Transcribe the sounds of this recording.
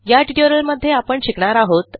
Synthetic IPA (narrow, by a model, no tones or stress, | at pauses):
jaʈiʈəɾəlməd̪ʱːjeapəɳɕikɳaɾaɦot̪